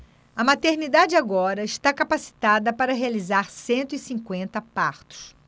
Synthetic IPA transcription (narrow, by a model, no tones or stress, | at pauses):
ɐmat̪eɾnid̪ad͡ʒɪaɡɔɾɐɪʃt̪akapasi̥t̪ad̪ɐpaɾɐɦealizaɾsẽnt̪ʊisĩŋkwẽnt̪ɐpaɾt̪ʊ̥s